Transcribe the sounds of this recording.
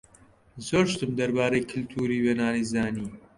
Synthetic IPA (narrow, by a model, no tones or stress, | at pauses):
zoːɾʃt̪ɨmd̪ɐɾbaːɾejkʰɨlt̪ʰuːɾiːweːnaːniːzaːniː